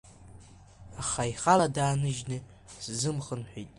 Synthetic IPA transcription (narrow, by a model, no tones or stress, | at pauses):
aχaiχaladaːnɨʒnɨ | szɨmχənħʷᶣijtʼ